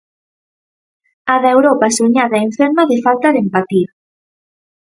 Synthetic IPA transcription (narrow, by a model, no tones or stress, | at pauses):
aðewɾɔpasuɲaðaeɱfeɾmaðɪfalt̪aðempat̪iɾ